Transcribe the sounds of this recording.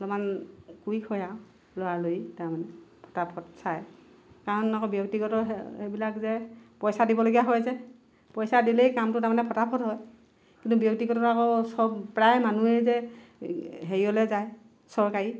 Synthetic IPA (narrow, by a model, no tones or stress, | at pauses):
lɔmankuikʰɔja | lʊwalojitaɹmanɛpʰɔ̥tapʰɔtsaj | kaɹɔnakɔbjɔktiɡɔtɔebilakzɛpɔjsadibɔloɡijaɦɔjzɛ | pɔjsadilejkamtʊtaɹmanɛpʰɔtapʰɔtɦɔj | kintʊbjɔk̚tiɡɔtɔakɔsɔbpɹajmanuezɛ | ɦeɹiɔlɛzaj | sɔɹkaɹi